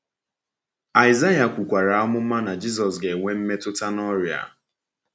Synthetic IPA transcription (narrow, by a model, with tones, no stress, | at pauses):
a˨ɪ˨za˦ja˨kʷu˨kʷa˨ɾa˨ɔ˦mʊ˦m̩˦ma˦na˨d͡ʒi˦s̬ɔ˨s̬ɡe˨ŋʷe˦m̩˦me˦tʊ˦ta˦nɔ˦ɾja̰˨